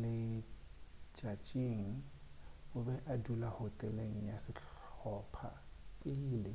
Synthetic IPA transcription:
lɪ | t͡ʃʼat͡ʃʼiŋ̩ | ʊbɛʔadulahotʼɛleŋ̩jasɪɬɔpʰa̰kʼɪlɪ

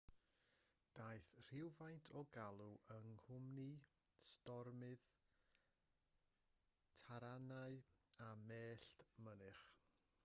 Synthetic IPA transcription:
d̥aːɨθr̥ɪwvajntʰɔɡalˠuʔəŋhʊmni | stɔrmɨð | tʰaɾanaɨameːɬtmənɨχ

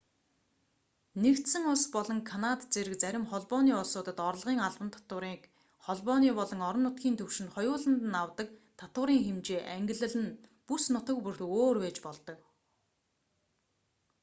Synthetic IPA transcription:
nekt̪sɘ̆ŋʊɮspɔɮɞ̆ŋkʰanat̪t͡seɾɘ̆k̚t͡sæɾʲɪ̆mχɔɮpɔniːʊɮsʊːt̪ə̆t̪ɔɾ̆ɮʁiːŋaɮpə̆nt̪ʰɔ̥t̪ʊɾiːk | χɔɮpɔniːpɔɮɞ̆ŋɔɾɞ̆nːʊt̪ɡʲiːnt̪ʰɵwʃɪ̆nχɔjʊːɮə̆nt̪ə̆nawt̪ə̆kt̪ʰat̪ʊ̆ːɾiːŋxemt͡ɕeːʔæŋɡʲɪ̆ɮɘ̆ɮɘ̆npusnʊt̪ə̆k̚pur̥t̪̆oːrweːt͡ɕpɔɮt̪ɞ̆k

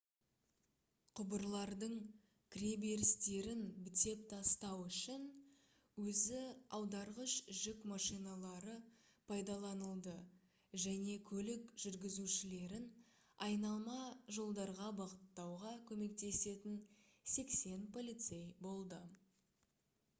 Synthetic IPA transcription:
qʰʊbəɾlˠɑɾd̪əɴ | kʲʰɾʲebe̞ɾɪst̪e̞ɾɪnbɪt̪e̞p̚t̪ʰɑst̪ɑwʏʃɪn | wɵzɪɑwd̪ɑɾʁəʃʒʏkmɑʃijnɑlˠɑɾə | pʰɑjd̪ɑlˠɑnəlˠd̪ə | ʒæne̞kʲʰɵlɪkʒ̥ʏɾɡʲɪzuʃɪle̞ɾɪn | ɑjnɑlˠmɑʒo̞lˠd̪ɑɾʁɑbɑʁət̪ːɑwʁɑkʲʰɵme̞k̚t̪e̞se̞t̪ɪnse̞kse̞npʰo̞lʲˠijt̪se̞jbo̞lˠd̪ə

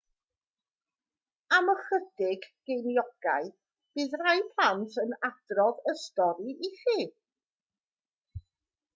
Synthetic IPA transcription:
aməχədɪɡ̥ːejnjɔɡ̥aɨ | b̥ɨːðrajpʰlˠantʰənad̥rɔðəstɔɾiʔiχiː

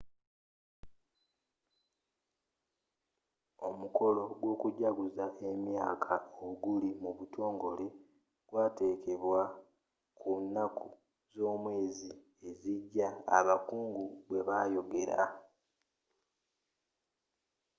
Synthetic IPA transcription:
o̞muko̞lo̞ɡwo̞ːkuɟaɡuzaʔe̞mjaːkʰaoɡulimuβutʰo̞ːŋɡo̞le̞ | ɡ̥waːte̞ːke̞βwa | kʰunːakʰu | zo̞ːmwe̞ːzi | e̞ziɟːa̰ːβakuːŋɡuβwe̞βajo̞ɡe̞ɾa̰

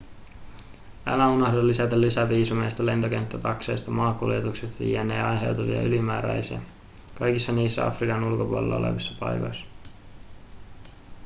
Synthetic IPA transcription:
æ̰læunɑhdolːisæt̪ælːisæʋiːsumejst̪ɑle̞nt̪o̞ke̞nt̪ːæt̪ɑksejst̪ɑmɑːkuljet̪ukset̪ʋḭːenːḛːɑjnsḛwt̪uʋiɑ̰ylimæːɾæ̰jsiæ̰ | kɑjkisːɑniːsːæ̰ɑ̰frikɑnulko̞pulḛlːɑ̰olḛʋisːɑpɑ̰jkojsːɑ̥

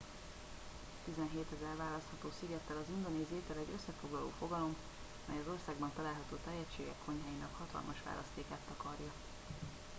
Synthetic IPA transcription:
t̪izɛnɦeːt̪ɛzɛrvaːlɒst̪hɒt̪oːsiɡɛt̪ːɛlɒzund̪oniːzeːt̪ɛlɛɟø̞sːɛfo̞ɡlɒlo̰ːfo̞ɡɒlo̞m | ɒmɛjɒzo̞rsaːɡbɒnt̪ɒlaːlɦɒt̪oːt̪ɛjɛt͡ʃːeːɡɛ̰kʰːo̞ɲɦaːjinɒkhɒt̪ɒ̰lmɒʃʋa̰ːlɒst̪eːkaːt̪ːɒkɒrjɒ

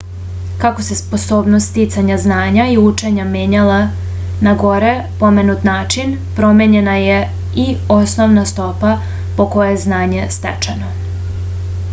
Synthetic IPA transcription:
kako̞se̞spo̞so̞ːbnost̪t̪it̪saɲaznaːɲaiut͡ʃe̞ɲameːɲala | naɡo̞ɾe̞po̞me̞nut̪naːt͡ʃin | pɾo̞me̞ɲe̞naje | io̞sno̞ʋnast̪o̞pa | po̞ko̞jeznaːɲe̞st̪ḛt͡ʃeno̞

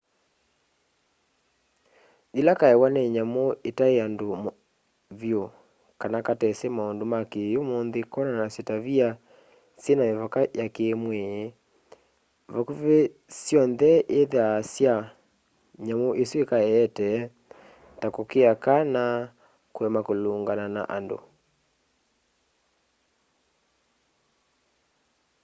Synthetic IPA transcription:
ðilakaɛwanɛɲamoetaeando | vjo | kanakatɛsɛmaondomakejomonðekɔnanasjetaβia | senaevakajakeːmwe | vɔkuve | sjɔnðɛʔeðasja | ɲamoʔeswekaɛːtɛ | takokeakana | kwɛmakoloːŋɡanana̰ʔando̰

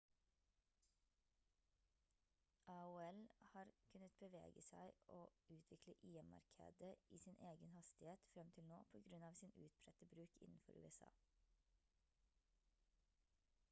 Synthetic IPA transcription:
ʔɑʊːɛlhɑːɾkʰʉnət̪̚b̥əʋḛːɡəsæɪʔoːʉːt̪ʰʋɪkləʔiːəmɑ̰ɾkʰḛːd̪əʔiːsiːnʔeːɡənhɑst̪ɪheːt̪fɾɛmt̪ʰɪlnoːpʰoːɡɾʉnɑːʋsiːnʉːt̪̚pʰɾɛt̪əbɾʉːkɪ̰nn̩fɔ̰ɾʉ̰ːɛsɑ̰ː

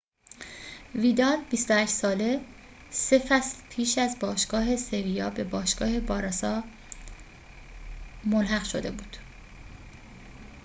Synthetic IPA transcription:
viːd̪ɒːlbist̪ohæʃsɒːle̞ | se̞fæslpʰiːʃæzbɒːʃɡ̥ɒːɦe̞se̞vijɒːbe̞bɒːʃɡ̥ɒːhe̞bɒːɾɒːsɒː | molɦæɣʃo̞̰d̪e̞buːd̪̥

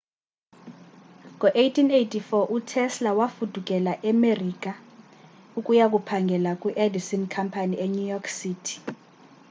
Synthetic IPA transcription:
ŋɔʔejtʰinejtʰifɔʔutʰɛslawafud̥ʱuk̬ʼɛlaʔɛmerik̬ʼa | ukʼujak̬upʰaŋɡʱɛlak̬ʼwiʔedisinkʰampʰanieɲujɔksiːtʰi̥

